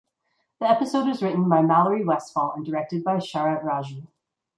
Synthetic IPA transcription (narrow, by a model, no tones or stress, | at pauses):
ðiɛpɨsoʊɾ̚ɨzɹɪʔn̩baɪmælˠə˞iwɛsfɔlˠə̃ndə˞ɛk̚tɨd̚baɪʃɑɹɨtɹɑʒə